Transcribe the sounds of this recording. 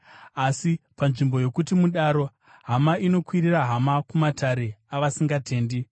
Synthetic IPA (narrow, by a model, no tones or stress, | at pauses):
asipanʐimbo̞jo̞kutimuɗaɾo̞ | ɦamaino̞kwiriraɦamakumatʰaɾe̞aʋasiŋɡatʰe̞ːndi